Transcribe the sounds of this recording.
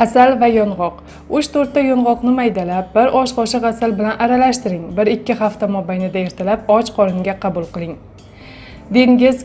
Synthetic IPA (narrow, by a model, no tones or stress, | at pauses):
asalvajɒnʁɒq | ʊʃt̪ʰoɾt̪ːajɒnʁɒqnɪmajd̪alap̚bɪɾʔɒʃqɒʃɪʁasalbɪlanʔaɾalaʃt̪ɪɾɪŋbɪɾɪkʲːɪχaft̪amɒbajnɪd̪ae̞ɾt̪ʰalap̚ɒt͡ʃqʰɒɾɪnɡʲaqʰɑbʊlˠqɨlˠɪŋ | d̪e̞ŋɡʲɪz